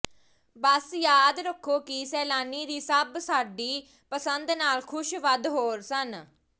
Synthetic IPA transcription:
bəsjaːd̪ɾəkʰːoːkisɛːlaːniːd̪iːsəbsaːɖiː | pəsənd̪naːlkʰʊʃʋəd̪ɦoːɾsən

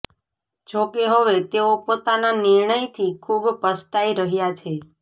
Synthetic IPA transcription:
d͡ʒokeɦoʋet̪eopot̪ananɪɾɳəjt̪ʰikʰubpəsʈaiɾəɦjat͡ʃʰe

